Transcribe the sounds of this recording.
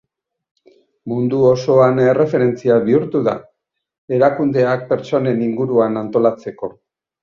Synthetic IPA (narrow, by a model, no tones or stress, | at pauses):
mund̪uo̞so̞ane̞re̞fe̞ɾe̞nt͡siaβiuɾt̪uða | e̞ɾakund̪e̞ak̚pe̞ɾt͡ʃo̞ne̞niŋɡuɾuanant̪o̞lat͡se̞ko̞